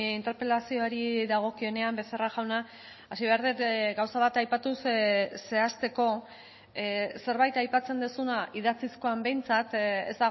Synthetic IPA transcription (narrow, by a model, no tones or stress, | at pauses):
int̪e̞ɾpe̞lasio̞aɾiðaɣ̞o̞kio̞ne̞ambe̞seraʝawna | asiβe̞aɾðetɡawsaβ̞at̪ajpat̪usse̞ast̪e̞ko̞ | se̞ɾβajt̪ajpat͡se̞nd̪esunaʔiðat͡sisko̞ambe̞jnt͡sat̪ḛzd̪aɣ